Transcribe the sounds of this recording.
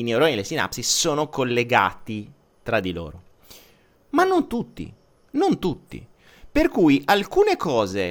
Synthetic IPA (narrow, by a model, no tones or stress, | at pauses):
inewɾojnelesina̰psissoːnokolːeɡa̰ːt̪i | t̪ɾad̪ːilo̰ːɾo | manːont̪ut̪ːḭ | nont̪ut̪ːḭ | perkuːjʔalkuːnekɔːze